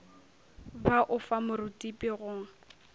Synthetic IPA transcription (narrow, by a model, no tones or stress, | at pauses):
baʔʊfamʊrʊtʼipʼɪɣʊŋ̩